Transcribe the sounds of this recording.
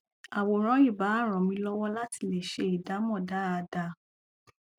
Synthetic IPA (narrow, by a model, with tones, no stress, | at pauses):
a˨wo˨ɾ̃ɔ̃˨˦i˦˨ba˨˦˨ɾ̃ɔ̃˨mĩ˧lɔ˦wɔ˦la˦ti˧le˨ʃe˧˦i˨da˨˦mɔ̃˦˨da˨˦a˨˧da˨˧